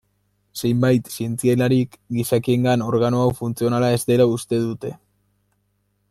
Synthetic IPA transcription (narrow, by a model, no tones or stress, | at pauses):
se̞jmbajt̪sie̞nt͡sie̞laɾikɡisakie̞ŋɡano̞ɾɣanoawfunt͡sio̞nalae̞zd̪e̞laust̪e̞ðut̪e̞